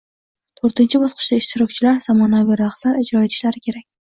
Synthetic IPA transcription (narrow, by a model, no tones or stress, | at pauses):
t̪ʰoɾt̪ɪnt͡ʃʰɪbɒsqʰɨ̥ʃd̪aɪʃt̪ɪɾɒk̚ʲt͡ʃʰɪlaɾsamanaviɾaχslaɾed͡ʒɾɒet̪ʰɪ̥ʃlaɾɪkʲʰe̞ɾak̚ʲ